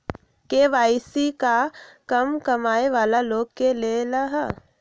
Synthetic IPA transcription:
keʋaːsikakɐmkɐmaːeʋaːlaloːɡkelelɐɦ

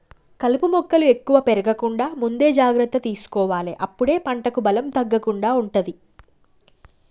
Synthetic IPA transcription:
kɐlupumɔkːɐlue̞kːuʋɐpeɾɐɡɐkuɳɖaːmund̪e̞ːd͡ʒaːɡɾɐt̪ːɐt̪iːsu̥kɔːʋaːlḭʔɐpːuɽe̞ːpɐɳʈɐkubɐlɐmt̪ɐɡːɐkuɳɖaːuɳʈud̪i

